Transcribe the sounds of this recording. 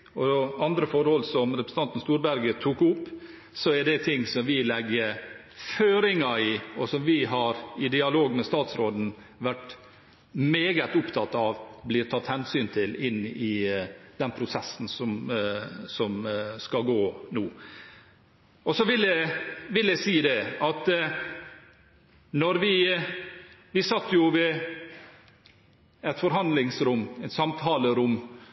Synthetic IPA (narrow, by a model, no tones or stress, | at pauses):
ɔɑnd̪ɾəfɔɾhɔlsɔmɾɛpɾəs̩ɑnt̪n̩st̪uːɾbæɾɡət̪ʰuːkʊpː | sɔæɖɛt̪ʰɪŋːsɔmʋɪlɛɡəɾ | føːɾɪŋɑɪɔsɔmʋɪɦɑɾɪd̪ɪɑloːɡmɛst̪ɑːt̪sɾoːd̪n̩ | ʋæʈ | meːɡət̪ʊpt̪ʰɑt̪ːɑʋblɪːɾt̪ʰɑt̪ːhɛnsyːnt̪ʰɪlɪnːɪd̪̥ɛnpʰɾʊsɛsn̩sɔm | sɔmskɑɡoːnoː | ɔsɔʋɪlɛʋɪlæɪsiːd̪ɛɑt̪ | nɔɾʋɪ | ʋɪsɑt̪ːjʊʋɪ | ɛt̪fɔɾɦɑnd̪lɪŋsɾʊmːɛɪt̪sɑmt̪ʰɑːləɾʊmː